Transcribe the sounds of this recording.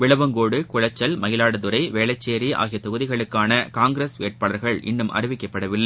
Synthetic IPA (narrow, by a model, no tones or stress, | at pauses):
ʋɪɭɐʋɐŋɡoːɽɯkʊɻɐt͡ʃːɐlmɐjɪlaːɽɐðʊɾɐɪʋeːlɐt͡ʃːeːɾia̰ːɣɪjɐt̪ɔɣɯðɪɣɐɭɯkːaːnɐkaːŋɡɾeːsḛːʈ̚paːɭɐɾɣɐɭʔɪ̰nːɯmʔɐ̰ɾɪʋɪkːɐpːɐɽɐʋɪlːɐɪ